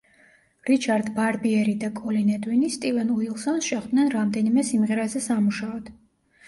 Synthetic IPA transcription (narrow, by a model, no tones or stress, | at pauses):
ɾit͡ʃʰaɾd̪baɾbiɛɾid̪akʼɔlinɛd̪winist̪ʼivɛnuilˠsansʃɛχd̪nɛnɾamd̪ɛnimɛsimʁɛɾazɛsamuʃaɔd̪̥